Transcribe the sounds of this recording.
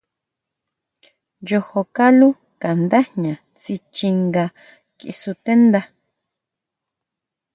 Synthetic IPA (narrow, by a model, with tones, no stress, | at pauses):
jo˧ho˧ka˦lu˦ | ka˨nd̪a˦ɲã˨ | t͡si˧t͡ʃi˧ŋɡa˧ | kḭ˧su˧t̪e˦nd̪a˧